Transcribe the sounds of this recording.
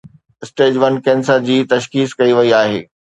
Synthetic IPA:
ɪsʈeːd͡ʑʋɐnkɛ̃ːnsəɾd͡ʑiːt̪ɐʃkiːskɐiʋɐiaːɦḛː

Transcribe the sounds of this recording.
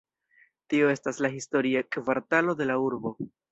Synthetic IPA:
tio̞e̞staslaɦisto̞ɾiekvaɾtalo̞de̞lauɾbo̞

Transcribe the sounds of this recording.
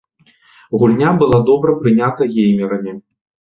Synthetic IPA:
ɣulʲnʲabɨlˠad̪ɔbɾɐpɾɨnʲat̪ɐɣʲejmʲɛɾɐmʲi

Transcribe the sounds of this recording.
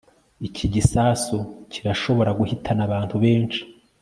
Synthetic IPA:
icʰiɟisaːsucʰiɾaʃo̞βo̞ɾaɡuhitʰanaβaːnthuβe̞ːnt͡ʃi̥

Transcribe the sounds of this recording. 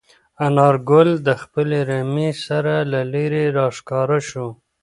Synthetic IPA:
anɑɾɡʊld̪əxpəleɾamesaɾalaleɾeɾɑʂkɑɾaʃo

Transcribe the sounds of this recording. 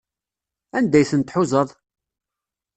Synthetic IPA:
ænd̪æjθənt̪ħuzˤəðˤ

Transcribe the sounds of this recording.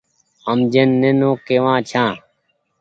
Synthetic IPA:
əmd͡ʒenːenõːkeːʋãːt͡ʃʰãː

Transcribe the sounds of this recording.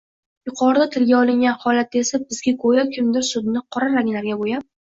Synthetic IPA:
jʊqʰɒɾd̪at̪ʰɪlɡʲaɒlˠɪŋɡʲanhɒlat̪esabɪz̥ɡʲakʰojakʲʰɪmd̪ɪɾsʊd̪nɪqʰɒɾaɾaŋʲlaɾɡʲabojap̚

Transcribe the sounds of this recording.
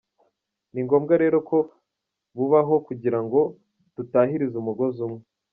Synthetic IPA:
niŋɡo̞ːmɡaɾe̞ːɾo̞kʰo̞ | βuβaɦo̞kuɟiɾaŋɡo̞ | tutaːɦiɾizumuɡo̞zumŋe

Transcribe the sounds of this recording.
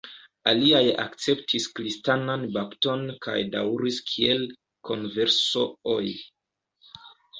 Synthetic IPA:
aliaja̰kt͡se̞ptʰiskɾistananbapto̞nka̰jda̰wɾiskʰie̞l | kʰo̞nve̞ɾsooj

